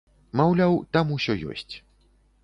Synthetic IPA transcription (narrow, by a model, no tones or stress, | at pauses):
mawlʲawt̪amusʲɔjɔ̰sʲt͡sʲ